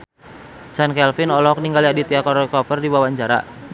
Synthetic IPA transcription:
d͡ʒankɛlfinɔlɔɔk̚niŋɡaliadit̪iakɔɾɔkɔpərdiwawaɲd͡ʒaɾa̰

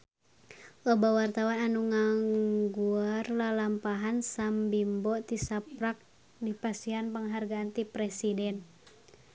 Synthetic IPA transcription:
ʔɔbawart̪awananuŋaŋɡuarlalampaɦansambimbɔt̪isapɾak̚ | dipast̪iɦanpəŋɦarɡaːnt̪ipɾɛsidɛn

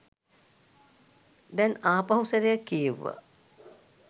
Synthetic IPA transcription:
d̪ɛnaːpaɦusəɾejakːijeʋːə̰

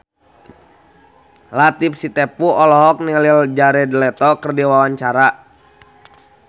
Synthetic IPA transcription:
lat̪ip̚sit̪ɛpuɔlɔɦɔk̚nilild͡ʒaɾɛdlɛt̪ɔkərdiwawaɲt͡ʃaɾa

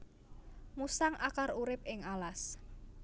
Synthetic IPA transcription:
musaŋʔakaruɾɪp̚ɪŋalas

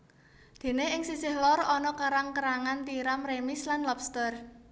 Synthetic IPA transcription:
d̪̥e̤neɪŋsisɪhlɔrɔnɔkaɾaŋkəɾaŋant̪iɾamremislanlɔpst̪ər

